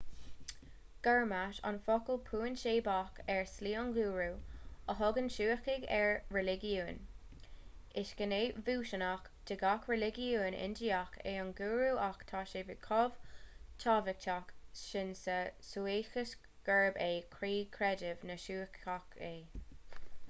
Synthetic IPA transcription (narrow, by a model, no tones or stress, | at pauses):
ɡ̥ɛɹmaʃa̰nfɔkəlpʰuːənʃeːbakɛɹsliːɔnɡuːɹuəɦʊɡənʃuːəkɪɡɛɹɹɛlɪɡjuːn | ɪʃɡ̥əneːvuːʃənak | d̥ɪɡakɹɛlɪɡiuːnɪ̰ndiakʰḛːɔnɡuːɹuʔakt̪ʰaːʃeːvɪkʰɔv̥tʰɑːvɪk̚tʰakʃɪnsəsueːxəs | ɡ̥ɛɹbeːkʰɹiːkʰɹɛdɪvnəʃuːəkakʰeː